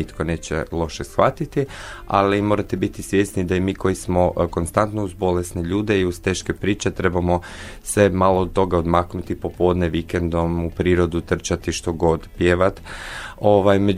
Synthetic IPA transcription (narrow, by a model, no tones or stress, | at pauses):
it̪kone̞ːt͡ɕḛlˠo̞ʃesxʋa̰t̪it̪ia̰limo̞ːɾat̪ebit̪isʋje̞snid̪aimiːkʰo̞jismo̞ko̞nst̪ant̪nouzbo̞lesniʎuːd̪eiuzt̪e̞ːʃkepɾiːt͡ɕe̞t̪ɾe̞bamo̞ | semaloːd̪̚t̪ːo̞ɡaod̪maknut̪ipo̞po̞ːd̪neʋikend̪o̞mupɾiːɾo̞d̪ut̪r̩t͡ʃat̪iʃt̪o̞ɡo̞d̪pjeʋat̪oʋajme